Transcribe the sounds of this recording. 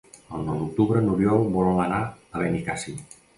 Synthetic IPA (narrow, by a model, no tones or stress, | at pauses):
əlˠnɔwd̪uk̚t̪uβɾənuɾjɔlbɔlələnaəβenikasi